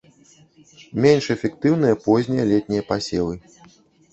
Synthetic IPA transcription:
mʲɛnʲʂɛfʲɛkt̪ɨwn̪ɨjɐpɔzʲnʲɛjɐlʲɛt̪ʲnʲijɐpasʲɛlˠɨ

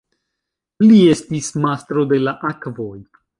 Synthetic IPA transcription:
lie̞stismast̪ɾo̞de̞laʔakvo̞j

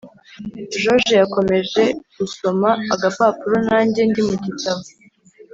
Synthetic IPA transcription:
ʒo̞ʒejako̞me̞ʒe̞ɡ̥uso̞maːɡapaːpuɾo̞naːɲɟe̞ndimuɟitaβo

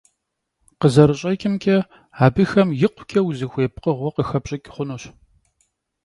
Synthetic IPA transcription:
qəzɐɾɨɕʼɐkʲʼɪmkʲʼɐ | aːbɨxɐmjɪqʷʰʊ̥kʲʰʼɐwzixʷeːpqəʁʷɔqəxɐbɕʼɐkʲʼχʷʊnoɕ

